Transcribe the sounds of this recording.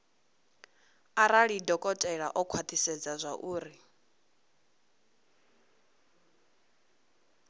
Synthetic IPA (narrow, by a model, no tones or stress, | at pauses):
aɾaɺidɔkʼɔtʼɛɺa̰ʔɔkʰwat̪ʰisɛd͡zazʷaʔuːɾi